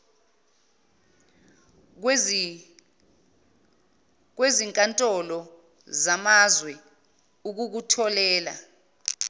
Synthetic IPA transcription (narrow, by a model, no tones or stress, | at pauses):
k̬weziŋkʼantʼɔlɔ | zamazwɛ | uk̬uk̬utʰɔlɛːla̰